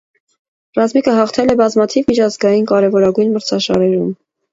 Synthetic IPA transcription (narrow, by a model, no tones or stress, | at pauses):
rɑzmikʰəɦɑχt̪ʰɛlɛbɑzmɑt̪ʰivmit͡ʃʰɑzɡɑjinkɑɾɛvɔɾɑɡujnməɾt͡sʰɑʃɑɾɛɾum